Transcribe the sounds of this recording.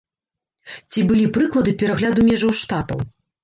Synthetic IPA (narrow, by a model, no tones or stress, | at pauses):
t͡sʲibɨlʲipɾɨklˠɐd̪ɨpʲɛɾaɣlʲad̪umʲɛʐɐwʂt̪at̪ɐ̰w